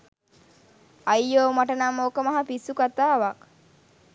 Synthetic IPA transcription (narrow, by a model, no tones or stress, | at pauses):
ajːoːmaʈənamːəokəmɐɦapisukat̪aːʋak